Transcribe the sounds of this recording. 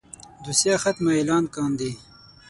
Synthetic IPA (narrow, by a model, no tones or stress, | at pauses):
d̪usjaːxɐt̪maelɑːnkaːnd̪i